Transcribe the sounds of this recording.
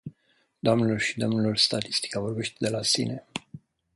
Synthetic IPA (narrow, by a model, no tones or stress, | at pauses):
d̪oamnelo̞rʃid̪o̞mnelo̞rst̪at̪i̥st̪i̥kavo̞rbe̞ʃt̪ed̪e̞lasḭne̞